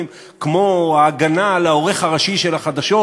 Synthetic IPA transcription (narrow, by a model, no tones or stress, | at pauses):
m | kmo̞aːɡanalaoʁe̞χaʁaʃiʃelaχad̪aʃo